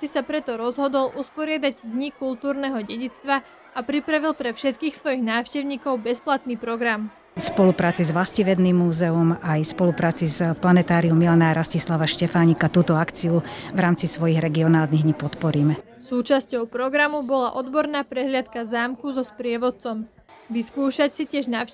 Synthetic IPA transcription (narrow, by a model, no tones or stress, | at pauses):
sisapɾɛt̪ɔɾɔzɦɔd̪ɔlʔuspɔɾɪad̪aɟd̪ɲikulˠt̪uːɾnɛɦɔɟɛɟit͡st̪ʋa | apɾipɾaʋilpɾɛfʃɛt̪̚kiːxsʋɔjiɣnaːʊʃcɛʊɲiːkɔʊbɛsplat̪niːpɾɔɡɾam | spɔlupɾaːt͡sizʋlasciʋɛd̪nimːuːzɛumajspɔlupɾaːt͡sizplanɛt̪aːɾiumːilanaɾascislaʋaʃcɛfaːɲikat̪uːt̪ɔakt͡siuʋɾaːmt͡sisʋɔjiɣɾɛɡiɔnaːlniɦɲipɔt̪pɔɾiːmɛ | suːt͡ʃascɔʊpɾɔɡɾamubɔlaʔɔd̪bɔɾnaːpɾɛɦlɪat̪kazaːmkuzɔspɾɪɛʋɔt̪t͡sɔm | ʋiskuːʃacsicɪɛʒnaːʃ